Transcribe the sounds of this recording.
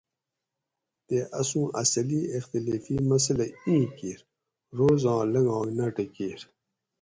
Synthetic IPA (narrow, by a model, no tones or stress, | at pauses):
t̪eʔɐsũːʔɐsɐliext̪ileːfiːmɐs̬əlɐĩːkiːɾ | ɾoːzɑ̃ːlɐŋɡɑ̃ːɡnaʈɐkiːɾ